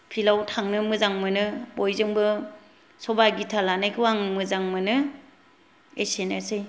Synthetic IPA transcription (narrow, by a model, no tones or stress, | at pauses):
pʰilawtʰaŋnɯmɯzaŋmɯnɯbojzɯŋbɯ | sɔbaɡitʰalanajkʰɯwaŋmɯzaŋmɯnɯ | esenasɯj